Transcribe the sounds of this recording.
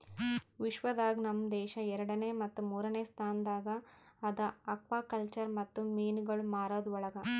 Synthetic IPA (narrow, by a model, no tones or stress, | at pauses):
ʋiʃʋɐd̪aːɡnɐmːd̪ɛːʃɐɛɾɐɽɐneːmɐt̪ːumuːɾɐneːst̪ʰaːnɐd̪aːɡɐɐd̪ɐɐkʋaːkɐlt͡ʃɐɾmɐt̪ːumiːnɡɐɭumaːɾoːd̪ɔɭɐɡɐ